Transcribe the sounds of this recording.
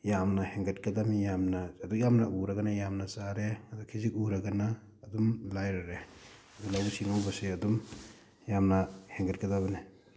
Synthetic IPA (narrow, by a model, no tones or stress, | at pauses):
jamnɐheŋɡɐtkadamijamnɐːdukjamnɐ̰ʔuɾɐɡɐnajamnɐsaɾeɐdukʰizikuɾɐɡɐnaː | dumlajɾaɾe | ɐdulawɡisiŋawbɐseɐdum | jamnɐheŋɡɐt̚kadabɐni